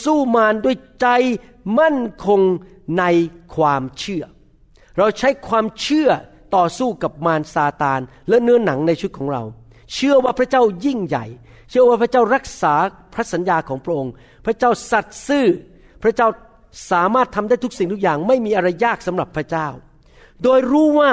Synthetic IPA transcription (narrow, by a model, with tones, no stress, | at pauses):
suː˥˩maː˧ndu˥˩əjt͡ɕa˧j | ma˥˩nkʰo˧ŋ | na˧jkʰwaː˧mt͡ɕʰɯ˥˩ɐ | ɾa˧wt͡ɕʰa˦˥jkʰwaː˧mt͡ɕʰɯ˥˩ɐ | t̪ɔː˨˩suː˥˩ka˨˩p̚maː˧nsaː˧t̪aː˧n | lɛ˦˥nɯ˦˥ɐna˩˦ŋna˧jt͡ɕʰu˦˥t̪̚kʰɔː˩˦ŋɾa̰˧w | t͡ɕʰɯ˥˩ɐwaː˥˩pʰɾa˦˥t͡ɕaː˥˩wji˥˩ŋja̰˨˩j | t͡ɕʰɯ˥˩əwaː˥˩pʰɾa˥t͡ɕaː˥˩wɾa˦˥k̚saː˩˦ | pʰɾa˦˥sa˩˦njaː˧kʰɔː˩˦ŋpʰɾa˥ʔo˧ŋ | pʰɾa˦˥t͡ɕaː˥˩wsa˨˩t̪̚sɯː˥˩ | pʰɾa˦˥t͡ɕaː˥˩w | saː˩˦maː˥˩t̪ʰːa˧mdaː˥˩jt̪ʰu˥k̚si˨˩ŋt̪ʰu˥k̚jaː˨˩ŋma˥˩jmiː˧ʔa˧ɾa˧jːaː˥˩k̚sa˩˦mɾa˨˩pʰːɾa˦˥t͡ɕaː˥˩w | doː˧jɾuː˦˥waː˥˩